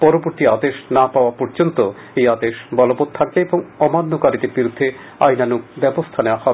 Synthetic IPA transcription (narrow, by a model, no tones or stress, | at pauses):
pɔɾoboɾt̪iad̪eʃnapaoapɔɾd͡ʑont̪o | ejad̪eʃbɔlobot̪̚t̪ʰak̚beeboŋɔmanːokaɾit̪eɾbiɾud̪ʱːe | ajnanuk̚bɛbost̪ʰaneoahɔbe